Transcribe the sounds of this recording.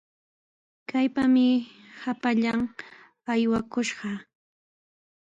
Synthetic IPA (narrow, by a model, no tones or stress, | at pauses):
kajpamɪhapaʎam | ajwakʊʃɢɑ